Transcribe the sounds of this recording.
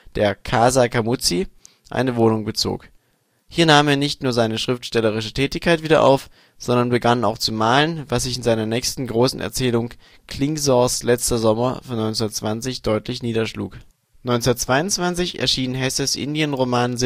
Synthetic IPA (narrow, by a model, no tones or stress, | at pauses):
d̥eːɐkʰaːzakʰamʊt͡si | ʔa̰ɪnəvoːnʊŋbət͡so̰ːk | hiːɐnaːmeːɐnɪçtnuːɐzaɪnəʃʁ̥ɪftʃtɛləʁ̞ɪʃətʰɛːtɪçkʰaɪtv̥iːdɐ̰ʔa̰ʊf | z̥ɔndɐnbəɡana̰ʊxt͡sumaːlənvas̬z̥ɪçɪnzaɪnɐnɛːçstn̩ɡʁoːsn̩ʔɛ̰ɐt͡sɛːlʊŋ | kʰl̥ɪŋzɔslɛt͡stɐzɔmɐfɔnɔʏnt͡sunɐtt͡sv̥ant͡sɪçd̥ɔʏtlɪçniːdɐʃlṵːk | nɔʏnt͡sndɐtt͡sv̥aɪʊnt͡sv̥ant͡sɪçɛ̰ɐʃiːnnɦɛsəsʔɪ̰ndiənʁomaːnz